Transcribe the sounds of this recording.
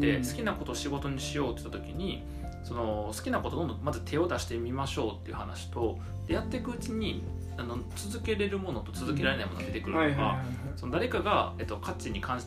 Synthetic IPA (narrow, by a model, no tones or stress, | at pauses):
d̪e̞sɨ̥kʲinako̞t̪oːɕiɡo̞t̪o̞ɲ̟iɕijo̞ːt̪oi̥t̪at̪o̞kʲiɲ̟i | so̞no̞sɨ̥kʲinako̞t̪od̪o̞nd̪õmazɨt̪ʰe̞o̞d̪aɕi̥t̪e̞mʲimaɕo̞ːt̪ːe̞iɯ̟hanaɕi̥t̪o̞ | d̪̥e̞jat̪ːe̞kɯ̟ɯ̟t͡ɕiɲ̟i | ano̞t͡sɨzɨke̞ɾe̞ɾɯ̟mo̞no̞t̪o̞t͡sɨzɨke̞ɾaɾe̞naimo̞noad̪et̪ekɯ̟ɾɯnoɡa̰ | so̞no̞d̪aɾe̞kaɡae̞t̪ːo̞kʰat͡ɕiɲ̟ikʰãi